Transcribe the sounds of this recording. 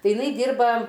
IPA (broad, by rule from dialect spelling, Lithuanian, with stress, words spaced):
ˈtɐɪ ɪˈnɐɪ ˈdʲiːrbɐ